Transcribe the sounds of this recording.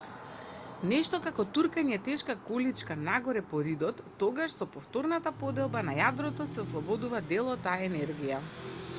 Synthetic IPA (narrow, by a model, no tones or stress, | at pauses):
nɛʃt̪ɔkakɔt̪uɾkaɲɛɛt̪ɛʃkakɔlit͡ʃkanaɡɔɾɛpɔɾid̪ɔt̪ːɔɡaʃsɔpɔft̪ɔɾnat̪apɔd̪ɛlˠbanajad̪ɾɔt̪ɔsɛɔslˠɔbɔd̪uvad̪ɛlˠɔt̪ːaaɛnɛɾɡija